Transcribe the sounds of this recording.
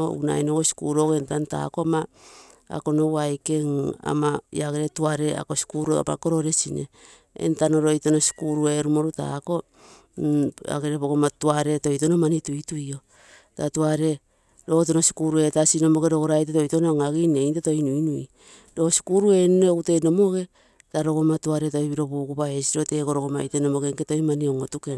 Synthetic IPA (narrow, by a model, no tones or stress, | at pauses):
wna̰jnoɡosi̥kuɾo̞ɡentanta̰ko̞ma | a̰ko̞no̞wajke̞ŋa̰maḭaɡeɾetuaɾe̞a̰kosi̥kuɾ̰pa̰ko̞ɾo̞ɾe̞sinḛ | ḛntano̞ɾo̞jto̞no̞si̥kuɾue̞ɾumo̞ɾuta̰ko̞ | a̰ɡeɾepokomatuaɾe̞to̞jto̞nomanitujtujo̞ | tatuaɾe̞ | ɾo̞to̞no̞si̥kuɾue̞tasino̞mo̞ɡeɾo̞ɡoɾajteto̞jtonoŋaɡine̞jnteto̞jnuinui | do̞si̥kuɾue̞nuneoute̞no̞mo̞ɡe̞ | taɾo̞ɡo̞matuaɾe̞to̞jβiɾo̞βuːkupae̞siɾo̞te̞ko̞ɾoɡoma̰jteno̞mo̞ɡeŋketo̞jmanioŋotuken